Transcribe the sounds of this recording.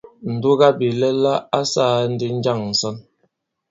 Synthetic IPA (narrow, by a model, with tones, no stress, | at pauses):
n̩˨du˦ɣa˦bi˨lɛ˦la˦a˦saː˦˨˦n̩˦di˦n̩˦d͡ʒa˦˨ŋn̩˨sɔ˦n